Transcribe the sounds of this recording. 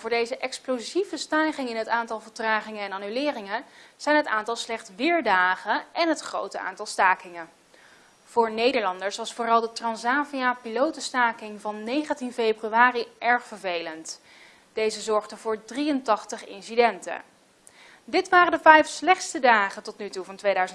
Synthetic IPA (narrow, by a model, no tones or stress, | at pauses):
vʊːɹdejzəʔɛksplozivəstaːχɪŋɪnɦətaːntɑlˠvəɹtraːχɪŋənɛnaːnylɪːrɪŋəz̥ɛjnɦətaːntɑlˠslɛχtsʋɪːɹdaːχənʔɛnɦətχro̰wtəa̰ːntɑlˠstaːkɪŋə | v̥ʊːɹnejdəɹlɑndəɹsʋɑsfʊːrɑlˠdətrɑnsaːviapilowtəstaːkɪŋvɑnːejχəntinfejbryaːriʔɛɹχfəɹvejlənt | d̥ejzəzɔɹχdəvʊːɹdriəntɑχtəχɪ̰nsidɛntə̰ | dɪtʋaːrəndəvɛjfslɛχtstədaːχəntɔtnytuvɑntʋejdœɥzən